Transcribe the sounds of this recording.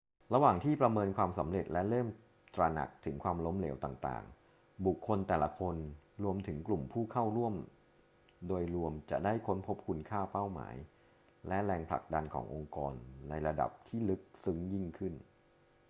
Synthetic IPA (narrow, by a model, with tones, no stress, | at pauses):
ɾa˧waː˨˩ŋt̪ʰiː˥˩pɾa˧mɤː˧nkʰwaː˧msa˩˦mɾe˨˩t̪̚lɛ˦˥lɤː˥˩m | t̪ɾa˧na̰˨˩k̚t̪ʰɯ˩˦ŋkʰwaː˧mlo˦˥mlḛː˩˦wt̪aː˨˩ŋt̪a̰ː˨˩ŋ | bu˨˩kʰːo˧nt̪ɛː˨˩la˦kʰo˧nɾu˧əmt̪ʰɯ˩˦ŋklu˨˩mpʰuː˥˩kʰa˥˩wɾu˥˩əm | doː˧jɾu˧əmt͡ɕa̰˨˩ʔdaː˥˩jkʰo˦˥npʰo˦˥p̚kʰu˧nkʰaː˥˩pa˥˩wma̰ː˩˦j | lɛ˦˥ɾɛː˧ŋpʰla̰˨˩k̚da˧nkʰɔ̰ː˩˦ŋʔo˧ŋkɔː˧nːa˧jɾa˧da̰˨˩p̚t̪ʰiː˥˩lɯ˦˥k̚sɯ˦˥ŋji˥˩ŋkʰɯ˥˩n